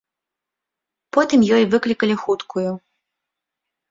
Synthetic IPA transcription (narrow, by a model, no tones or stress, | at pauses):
pɔt̪ɨmjɔjvɨklʲikɐlʲixut̪kʰuju